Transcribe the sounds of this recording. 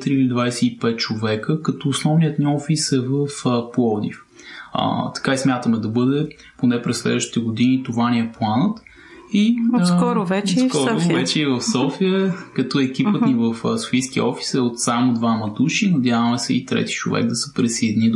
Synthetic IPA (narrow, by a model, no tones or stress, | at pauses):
t̪ɾiilid̪vajsɛipɛt̪̚t͡ʃovɛkəkɐt̪ɔːsnɔvnijət̪niɔfisɛvəfpˠɔd̪ḭf | ə̰t̪ɐ̥kaismʲjat̪əmɛd̪ɐbɤd̪ɛ | ponɛpɾɛsslɛ̰d̪vəʃt̪it̪ɛɡʊd̪init̪ovaniɛplˠanət̪ | iskɔɾʊvɛt͡ʃɛskɔɾʊvɛt͡ʃɛivəfsɔfiəkɐt̪ɔɛk̟ipət̪nivəfso̥fijskiə̰ɔfi̥sɛot̪samod̪vamɐd̪uʃinɐd̪javəmɛsɛit̪ɾɛ̰t̪i̥t͡ʃovɛ̰ɡ̚d̪ɐsə̥pɾɛsəd̪ini